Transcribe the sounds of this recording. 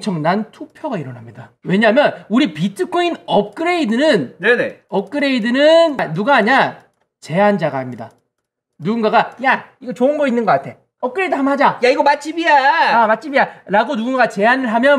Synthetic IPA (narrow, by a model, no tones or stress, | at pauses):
t͡ɕʰʌŋnantʰupʰjʌɡaiɾʌnɦamɲidawe̞ɲamjʌnuɾipitʰɯkʰoinʌp̚k͈ɯɾe̞idɯnɯnneneʌp̚k͈ɯɾe̞idɯnɯnnuɡaːɲa | t͡ɕe̞and͡ʑaɡahamɲida̰ | nuɡunɡaɡajaiɡʌt͡ɕoɯnɡʌinːɯnɡʌk͈atʰe̞ | ʌp̚k͈ɯɾe̞idɯɦamɦad͡ʑajaiɡʌmat̚t͡ɕ͈ibiamat͡ɕ͈ʰibijaɾaɡonuɡunɡat͡ɕe̞ɦanɯɭɦamjʌn